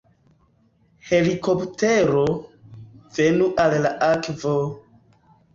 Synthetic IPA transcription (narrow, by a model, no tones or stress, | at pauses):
he̞liko̞pteɾo | v̥e̞nuʔallaʔakvo